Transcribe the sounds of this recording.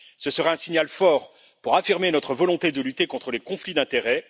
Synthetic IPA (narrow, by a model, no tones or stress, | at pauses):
səsəʁaɛ̃siɲalfɔʁ | puʁafiʁmenɔt̪χəvɔlɔ̃t̪ed̪əlyt̪ekɔ̃t̪χəlekɔ̃flid̪ɛ̃t̪eʁɛ